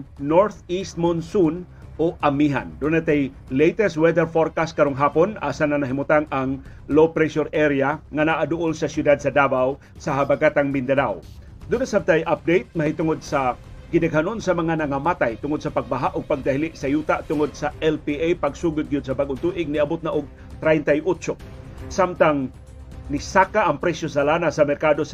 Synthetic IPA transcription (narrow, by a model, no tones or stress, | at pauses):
noɹt̪ist̪̚monsun | ʔoʔamiɦa̰nd̪ʊnat̪aj | lejt̪ɛst̪̚wɛd̪ɛɾfoɾkast̪̚kɐɾoŋɦaːponʔa̰ːsanɐnɐɦimʊt̪aŋaŋ | lowpɾɛʃɔɾʔɛɾiaŋanaʔad̪ʊʔʊlsɐsjʊd̪ad̪̚sɐd̪aːbaw | sɐɦabaɡat̪aŋmɪnd̪ɐnaw | d̪ʊnasab̚t̪ajʔap̚d̪ejt̪̚mɐhit̪ʊŋod̪̚sɐɡɪd̪ɐɡɦanonsamɐŋanɐŋamat̪ajt̪ʊŋod̪sapaɡ̚baɦaʔʊɡ̚paɡ̚d̪aɦɪlɪʔsajut̪aʔt̪ʊŋod̪̚saʔɛlpiʔajpaɡsuɡʊt̪̚ɡijʊd̪̚sɐbaɡʊnt̪uʔɪɡ̚nɪabʊt̪naʔʊɡ̚ | t̪ɾajnt̪ajʔʊt͡ʃo | samt̪aŋ | nɪsakaʔɐŋpɾɛsjosalanasɐmɛɾkad̪os